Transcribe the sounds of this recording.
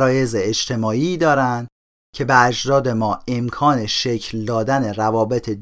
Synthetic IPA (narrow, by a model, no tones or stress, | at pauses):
ɾɒːje̞zeːd͡ʒt̪ʰe̞mɒːiːd̪ɒːɾænd̪ | cʰe̞beæd͡ʒd̪ɒːd̪e̞mɒːe̞mkʰɒːne̞ʃe̞cʰld̪ɒːd̪æne̞rævɒːbe̞t̪ʰe